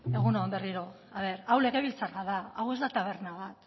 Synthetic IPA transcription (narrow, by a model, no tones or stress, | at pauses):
e̞ɣ̞unoambe̞riɾo̞ | aβ̞e̞ɾawle̞ke̞βilt͡saraðaawe̞zd̪at̪aβ̞e̞rnaβ̞at̪